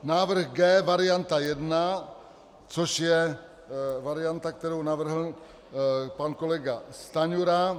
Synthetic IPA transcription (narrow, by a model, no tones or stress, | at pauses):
naːʋɾxɡɛʋaɾijant̪ajɛd̪na | t͡sʰoʃjɛ | ʋaɾijant̪ak̚t̪ɛɾownaːʋɾɦən | pankoleɡast̪aɲuɾa